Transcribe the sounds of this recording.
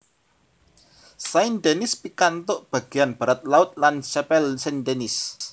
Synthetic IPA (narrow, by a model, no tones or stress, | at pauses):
saind̪enɪspikant̪ʊʔb̥ä̤ɡ̥ianb̥a̤ɾat̪̚laʊt̪̚lanʃɛpɛlsandenɪs